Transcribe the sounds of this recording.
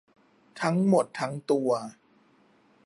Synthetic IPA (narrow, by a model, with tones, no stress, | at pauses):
t̪ʰa˦˥ŋmo˨˩t̪ʰːa˦˥ŋt̪u˧ɐ